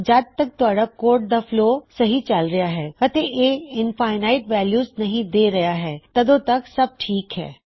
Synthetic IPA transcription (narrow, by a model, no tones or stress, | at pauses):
d͡ʒad̪̚t̪ɐk̚t̪ʊaːɽakoːɾʈ̚d̪afloːsɐɦit͡ʃɐlɾɐjaɦɛːɐt̪eeːɪnfaːɪnaːɪʈʋɛːljuːznɐɦĩd̪eːɾɐjaɦɛːt̪ɐd̪õt̪ɐksɐb̚ʈʰiːkɦɛ̰ː